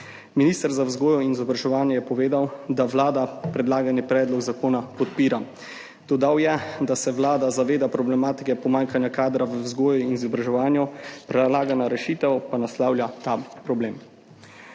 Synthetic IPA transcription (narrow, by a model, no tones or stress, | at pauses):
miniːst̪əɾzawzɡoːjɔinizɔbɾaʒɛʋaːnjɛjɛpɔʋeːd̪awd̪aʋlaːd̪apɾɛd̪laːɡanipɾɛːd̪lɔɡzakoːnapɔt̪̚piːɾa | d̪̥ɔd̪awjɛd̪asɛʋlaːd̪azaʋeːd̪apɾɔblɛmaːt̪i̥kɛpɔmaːŋkanjakaːd̪ɾaʋəwzɡoːjuinizɔbɾaʒɛʋaːnjɔpɾɛlaːɡanaɾɛʃiːt̪ɛwpanaslaːwlʲjat̪apɾɔbleːm